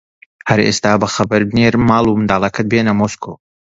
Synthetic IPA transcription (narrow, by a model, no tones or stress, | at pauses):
hɐɾḛst̪aːbɐxɐbɨɾd̪neɾmaːlˠumɨnd̪aːlˠɐkʰɐt̪̚benɐmoːskʰo